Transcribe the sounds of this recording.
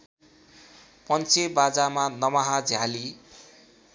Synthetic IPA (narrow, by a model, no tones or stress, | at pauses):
pʌnt͡sʰebad͡zamanʌmaɦad͡zʱjali